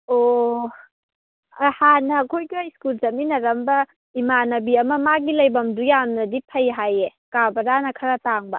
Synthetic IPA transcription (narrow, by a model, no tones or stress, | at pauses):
o | ɐhanɐːkʰojɡuajskulzɐminɐɾɐmbɐ | imanɐbiɐmɐmaɡilɐjbɐmdujamnɐdipʰɐjɦajekabɐɾanɐkʰɐɾɐtaŋbɐ